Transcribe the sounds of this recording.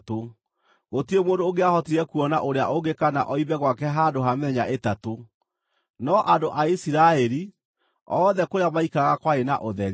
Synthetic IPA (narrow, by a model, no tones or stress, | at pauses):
to | ɣotiemoːndoːɣeahɔtiɾɛkuɔna̰ʔoɾea̰ʔoɡekana̰ʔɔiβɛɣwakɛɦadoɦamɛɲaʔetato | nɔʔadoʔaisiɾaɛɾi | ɔðɛkoɾeamaikaɣakwaena̰ʔoðɛɾ